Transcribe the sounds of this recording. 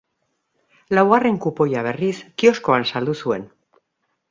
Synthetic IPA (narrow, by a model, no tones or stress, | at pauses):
lawareŋkupojaβ̞eriskioskoansald̪usuen